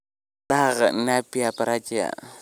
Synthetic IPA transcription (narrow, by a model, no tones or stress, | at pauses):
taɣə̰napiapaɾat͡ʃia̰